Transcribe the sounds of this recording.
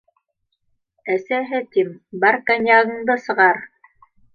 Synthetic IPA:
æsæɦɘt̪imbɑɾkanʲjaɣɤ̆ɴd̪ɤsɤ̆ʁɑɾ

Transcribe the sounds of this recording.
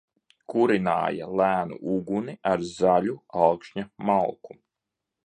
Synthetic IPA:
kuɾina̰ːja̰lˠæːnṵʔuɡuniaɾzalʲualkʃɲamalˠku

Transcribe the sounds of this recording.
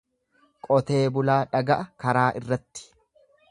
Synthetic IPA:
kʼɔt̪e̞ːbʊlaːᶑɐɡɐʔɐkɐɾaːʔɪrːɐt̪ːɪ̥

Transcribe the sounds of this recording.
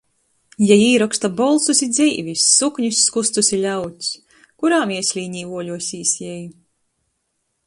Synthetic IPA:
jajiːɾɔkst̪abɔlˠsusid̪zʲiːvʲisʲːukɲusʲːkust̪usʲilʲawt̪ʲsʲ | kuɾaːmiɛsʲlʲiːɲiːuɔlʲuɔsʲiːsjɛj

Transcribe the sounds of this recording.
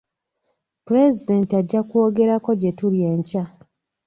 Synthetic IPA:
puɾe̞zide̞ntiaɟːakwo̞ɡe̞ɾako̞ɟe̞tulje̞ːɲca

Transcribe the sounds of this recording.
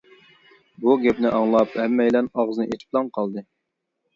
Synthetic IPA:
buɡʲɛpnɪʔɑŋlˠɑphɛmːɛjlɛnɑʁzɨnɨʔet͡ʃ̪ʰi̥p̚lˠɑŋqʰɑlˠd̪ɨ

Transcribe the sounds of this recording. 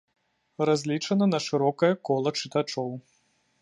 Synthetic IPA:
razʲlʲit͡ʂɐnɐnɐʂɨɾɔkɐjɐkɔlˠɐt͡ʂɨt̪at͡ʂɔw

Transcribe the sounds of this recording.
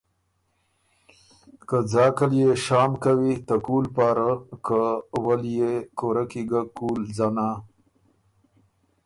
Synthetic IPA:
kəd͡zɑkəljeʃɑːmkawit̪əkulpɑɾakəwəljekoɾakiɡakulzana

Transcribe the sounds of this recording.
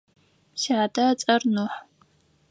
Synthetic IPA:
siʕadɐt͡sʼɐrnuħ

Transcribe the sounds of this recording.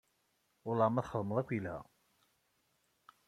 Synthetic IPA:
ʊɾlɑmæθχəðˤməðˤækʷːilhæ̰

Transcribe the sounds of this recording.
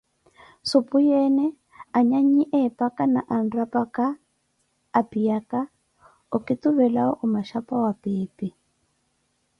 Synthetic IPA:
sʊpujɛnɛ | aɲaɲiʔɛpʼakʼanaʔanrapakaː | pʼijaka | ukʼituβɛlaɔʔumaʃapʼawapiːpʼi

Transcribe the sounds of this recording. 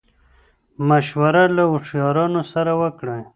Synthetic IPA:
maʃwaɾalaʊʂjɑɾɑnosaɾawəkɽa

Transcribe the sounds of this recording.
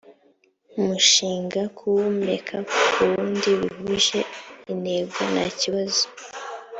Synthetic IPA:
umuʃiːŋɡakʰuwumnekʰauβuːndiβiβuʒe̞ine̞ɡonaciβazo̥

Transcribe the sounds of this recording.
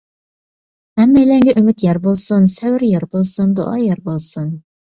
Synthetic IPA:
hɛmːɛjlɛŋɡʲɛʔymyt̪jɛɾbolˠsunsɛwɪɾjɛɾbolˠsund̪o̰ʔɑ̰jɛɾbolˠsun

